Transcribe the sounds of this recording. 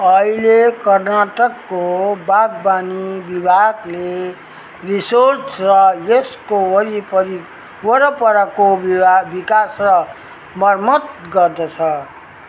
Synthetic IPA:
ʌilekʌrnaʈʌkːobaɡ̚banibibʱaɡle | risorsrʌjeskowʌɾipʌɾi | wʌɾʌpʌɾakoabikasrʌ | mʌrmʌt̪ɡʌrd̪ʌt͡sʰʌ

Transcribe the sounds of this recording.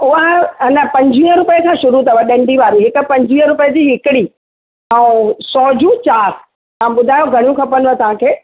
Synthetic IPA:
ʊɦanəpɐ̃ɲd͡ʑʱiə̃ɾʊpəkʰãːʃʊɾut̪ʰɐʋɐɗẽɳɖʱiʋaːɾiɦɪkʊ̆pɐ̃ɲd͡ʑʱĩə̃ɾʊpəəd͡ʑiːɦɪkɪɽi | ɛ̃ːsɔːd͡ʑũt͡ɕaːɾ | ãɓʊd̪ʱaːjoɡʱɐɽ̃jũkʰɐpənʋə̃t̪ɐʋ̤ãkʰeː

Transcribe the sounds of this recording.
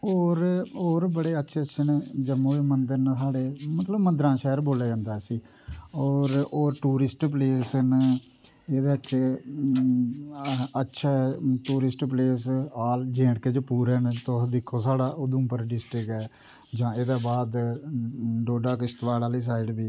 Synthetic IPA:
oːɾoːɾbəɽeːətːʃʰeːətːʃʰend͡ʒəmːõːiːmənd̪əɾnsaːɽeːmət̪ləbmənd̪ɾãːʃaːəɾboːljaːd͡ʒãːnd̪aːsiː | ɔːɾoːɾʈuːɾɪsʈpleːsn | eːd̪eːətːʃʰeː | ətːʃʰaːʈuːɾɪsʈpleːs̬aːld͡ʒẽːɽkeːd͡ʒpuːɾeːnt̪od̪ɪkʰːoːsaːɽaːʔʊd̪ʊ̃mpəɾɖɪsʈɾɪkɛː | d͡ʒãːeːd̪aːbaːd̪ | ɖoːɖaːkɪst̪ʋaːlaːliːs̬aːɪɖbiː

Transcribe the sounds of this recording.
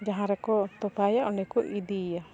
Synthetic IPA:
d͡ʒaɦãɾɛkɔt̪ɔpajaʔɔnɛkɔʔid̪ija

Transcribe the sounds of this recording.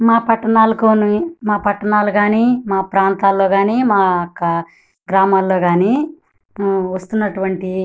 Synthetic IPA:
maːpɐʈːɐnaːlɐkoːnimaːpɐʈːɐnaːluɡaːniːmaːpɾaːnt̪aːlːo̞ːɡaːniːmaːɐkːɐ | ɡɾaːmaːlːo̞ːɡaːniː | ʋɐst̪unːɐʈuʋɐɳʈi

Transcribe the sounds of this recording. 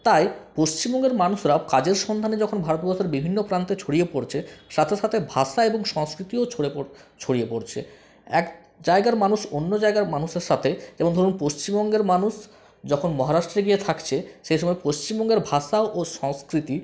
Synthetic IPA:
t̪ajpoʃt͡ɕimbɔŋɡeɾmanuʃɾakad͡ʑeɾʃɔnd̪ʱaned͡ʑɔkʰonbʱaɾot̪̚bɔɾʃeɾbibʱinːopɾant̪et͡ɕʰoɽiepoɽt͡ɕʰeʃat̪ʰeʃat̪ʰebʱaʃaeboŋʃɔŋskɾit̪iot͡ɕʰoeot͡ɕʰoɽijepoɽt͡ɕʰḛ | ɛ̰k | d͡ʑaeɡaɾmanuʃonːod͡ʑaeɡaɾmanuʃeɾʃat̪ʰeeboŋd̪ʱoɾunpoʃt͡ɕimbɔŋɡeɾmanuʃ | d͡ʑɔkʰonmɔɦaɾaʃʈɾeɡiet̪ʰakt͡ɕʰeʃejʃ̬ɔmɔepoʃt͡ɕimbɔŋɡeɾbʱaʃaoʔoʃɔŋskɾit̪i

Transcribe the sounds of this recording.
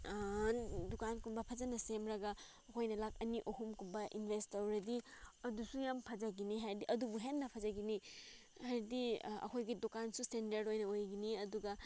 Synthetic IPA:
dukankumbɐpʰɐzɐnɐsemɾɐɡɐ | ɐkʰojnɐlak̚ɐniʔohumkumbɐʔḭnbʱestɐwɾɐdiɐdusujampʰɐd͡ʒaɡiniɦajɾdiʔɐdubuɦenːɐpʰɐzaɡini | hajɾdiɐ̰kʰojɡidokansustendɐɾdojnɐojɡiniɐduɡɐ

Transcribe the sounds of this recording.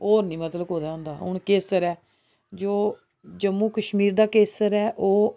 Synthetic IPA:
oːɾnĩːmət̪ləboːd̪aːʊ̃nd̪aːɦʊ̰ɳkeːsəɾɛː | d͡ʒoː | d͡ʒəmːuːkəʃmiːɾd̪aːkeːsəɾɛːʔoː

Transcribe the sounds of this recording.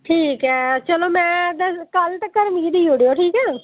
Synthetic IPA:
ʈʰiːkɦɛːt͡ʃəloːmɛ̃ːd̪əkəlʈkəɾmiːd̪iːjuoːɽijoːʈʰiːkɛː

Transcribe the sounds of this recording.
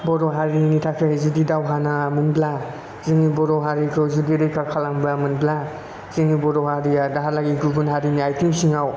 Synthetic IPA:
bɔɾɔɦaɾinitʰakʰezudidawɦanamunbla | zɯŋibɔɾɔɦaɾikʰɾozudiɾɯjkʰakʰalamblamunbla | zɯŋibɔɾɔɦaɾiadaɦalaɡiɡuɡunɦaɾiniajtʰimsiŋaw

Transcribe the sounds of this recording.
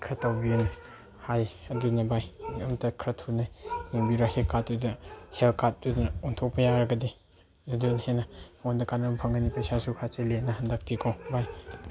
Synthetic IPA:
kʰɾɐtːawbin | hajɐdunɐbajbiɐmtɐkʰɾɐtʰunajnuŋbiɾahelkʰat̚ːudɐhelkat̚dudnɐontʰopɐjaɾɐɡɐdi | zɐdunhenɐmondɐkanɐmpʰɐŋɡɐnipɐjsasukʰɾat͡ʃelenɐɦɐndɐk̚tʰikʰobaj

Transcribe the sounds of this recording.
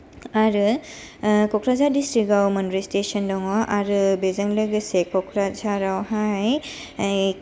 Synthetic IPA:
aɾɯ | kɔkʰɾazadistɾik̚ɡawmɐnɾistesɔndɔŋɔʔaɾɯbezɐŋlɯɡɐsekɔkʰɾazaɾawɦaj

